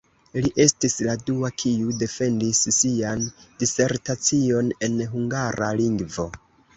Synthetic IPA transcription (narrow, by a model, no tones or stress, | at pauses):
liʔe̞stisladuakʰiude̞fe̞ndissiandise̞ɾtat͡sio̞ne̞nɦuŋɡaɾaliŋɡvo̞